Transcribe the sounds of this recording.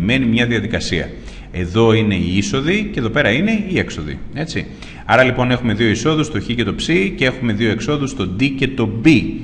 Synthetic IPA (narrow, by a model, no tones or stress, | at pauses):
me̞nimɲɐðiɐðikɐsiɐ̰ | e̞ðo̞ine̞iiso̞ðiceðo̞pe̞ɾɐine̞ie̞kso̞ðḭe̞t͡si | ɐɾɐlipo̞ne̞xume̞ðio̞iso̞ðust̪o̞çice̞t̪o̞psicee̞xume̞ðio̞e̞kso̞ðust̪o̞d̪ice̞t̪o̞bi